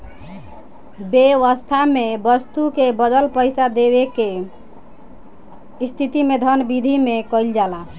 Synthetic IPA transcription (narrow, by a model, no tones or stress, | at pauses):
beʋəst̪ʰamebəst̪ukebəd̪əlpəɪsad̪eβeke | ist̪ʰit̪imed̪ʱənbid̪ʱimekəld͡ʒala